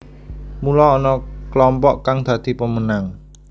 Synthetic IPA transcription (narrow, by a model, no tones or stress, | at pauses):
mulɔːnɔklɔmpɔʔkaŋd̪̥ä̤d̪̥i̤pəmənaŋ